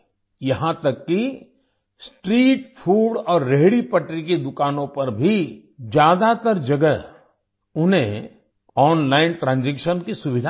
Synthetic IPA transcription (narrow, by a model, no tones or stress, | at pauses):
jɐɦãt̪ɐkːi | sʈɾiːʈpʰuːɖɔːɾːeɦɽipɐʈɾiked̪ʊkaːnõpɐɾbʱi | d͡ʒjaːd̪at̪əɾd͡ʒɐɡə | ʊnɦẽ | ɔːnlaːɪnʈɾãːnd͡ʒekʃənkisʊʋɪd̪ʱa